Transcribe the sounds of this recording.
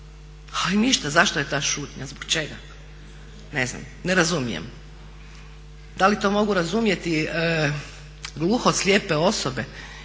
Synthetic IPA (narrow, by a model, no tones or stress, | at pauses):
ainiʃt̪azaʃt̪ojet̪aːʃuːt̪ɲazbokt͡ʃe̞ɡa̰ | ne̞zna̰m | neɾazumijḛm | d̪alit̪o̞ːmo̞ɡuɾazumje̞t̪iə | ɡlˠuxosljepe̞o̞sobe̞